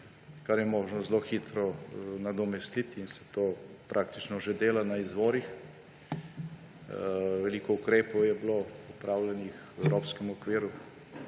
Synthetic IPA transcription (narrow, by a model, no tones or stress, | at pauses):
kaɾjɛmoːʒnɔzloxit̪ɾɔnad̪ɔmɛst̪it̪ːnsɛ̥t̪oːpɾʔaːk̚t̪i̥t͡ʃnɔʒed̪eːlanaizʋoːɾix | ʋɛliːkɔukɾeːpɔwjɛbloɔpɾaːwlɛnix | ɛwɾoːpskɛmɔkʋiːɾu